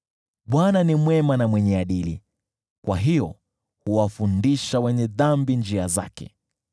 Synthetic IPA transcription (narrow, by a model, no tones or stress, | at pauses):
ɓwananimwɛmanamwɛɲɛaɗili | kwaɦijɔ | huwafundiʃawɛɲɛðambind͡ʒiaza̰kɛ̰